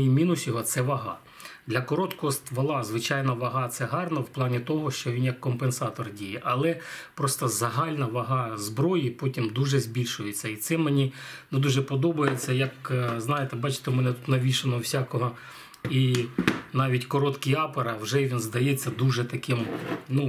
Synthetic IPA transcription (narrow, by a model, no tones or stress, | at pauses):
imʲinʊsʲjɔɦɔt̪sɛʋɐɦɑ̰ | d̪lʲɐkɔɾɔt̪kɔɦɔst̪ʋɐlˠɑzʋɪt͡ʃɑjnɐʋɐɦɑt̪sɛɦɑrnɐwplˠɑnʲit̪ɔɦɔʃt͡ʃɔʋʲinjɐkːɔmpensɑt̪ɔrdʲijɛʔɐlˠɛpɾɔst̪ɔzɐɦɑlʲnɐʋɐɦɑzbɾɔjipɔtʲimd̪uʒɛzʲbʲilʲʃʊjet͡sʲːɐit̪sɛmenʲinɛd̪uʒɛpɔd̪ɔbɐjet͡sʲːɐjɐkznɑjet̪ɛbɑt͡ʃɪ̥t̪emɛnɛt̪ut̪nɐʋʲiʃenɔwsʲakɔɦɔ | i | nɑʋʲitʲkɔɾɔt̪kiɑpɐɾɐwʒɛʋʲinzd̪ɐjet͡sʲːɐd̪uʒɛt̪ɐkɪmnu